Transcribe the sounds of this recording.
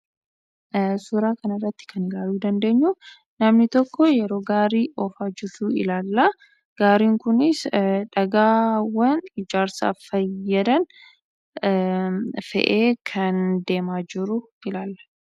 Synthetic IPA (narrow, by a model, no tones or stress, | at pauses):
sʊɾaːkɐnɐrːɐt̪ːɪ̥kɐnɪlaːluːd̪ɐnd̪e̞ːɲːu | nɐmnɪt̪ɔkːɔjɛɾo̞ːɡaːɾiːʔɔfaːd͡ʒɪɾtuɪ̰laːlːɐ | ɡ̥aːɾiːŋkʊnɪsᶑɐɡaːwɐnɪd͡ʒaːɾsa̰ːfɐjːɐd̪ɐn | fɛ̰ʔeːkʰɐnd̪e̞ːmaːd͡ʒɪɾʊ | ɪlaːlːɐ̥